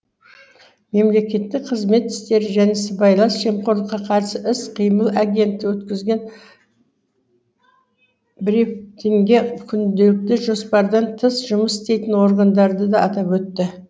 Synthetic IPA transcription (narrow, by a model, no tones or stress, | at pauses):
me̞mle̞kʲe̞t̪ːɪk̚qʰəzme̞t̪ːɪ̥st̪e̞ɾɪʒænesɪbɑjlˠɑnsʒemqoɾlˠəqːɑqʰɑɾsəɪsqʰijməlˠaɡʲe̞nt̪ːɪwɵt̪kʲɪzɡʲe̞n | bɪɾit̪iŋɡʲe̞kʲʰʏnd̪e̞lɪk̚t̪ɪʒo̞spɑɾd̪ɑnt̪ʰəsʒʊməsɪst̪e̞jt̪ɪnwo̞ɾɡənd̪ɑɾd̪əd̪ɑːt̪ɑpwɵt̪ːɪ